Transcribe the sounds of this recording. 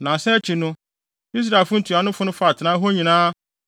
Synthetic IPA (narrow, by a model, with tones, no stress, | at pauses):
nã˨sɛ˦t͡ɕʰi˨nʊ̃˦ | i˦s̬ɾa˨fʊ̃˦n̩˦tʰu˨a˨nʊ̃˦fʊ˦nʊ̃˦fa˦˨tʰɪ˨nã˦ɦo˦ɲĩ˨nãː˦